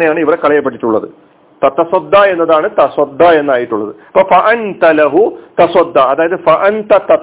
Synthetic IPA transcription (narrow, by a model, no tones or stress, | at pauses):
nejaːɳɨiʋirekːɐɭɐjɐpːeʈːi̥ʈːuɭːɐ̰ðɨ | t̪ɐt̪ːɐsɐd̪ːaːe̞nːɐðaːɳɨt̪ɐswɐd̪ːae̞nːaːjiʈːuɭːɐðɨɐ̥pːofɐʔɐnt̪ɐlɐɦut̪ɐsɐd̪ːaɐðaːjɐðɨfɐʔɐnt̪ɐt̪ɐ